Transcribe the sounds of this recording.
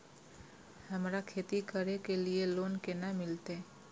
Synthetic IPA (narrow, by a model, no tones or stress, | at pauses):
həmɾakʰet̪ikəɾekelielonkenamɪlt̪e